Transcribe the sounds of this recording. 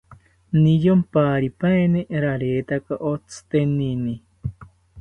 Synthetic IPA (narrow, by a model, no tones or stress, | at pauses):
nijompaːɾipaeneɾaɾeːt̪akaʔot͡sʰɨ̥t̪enini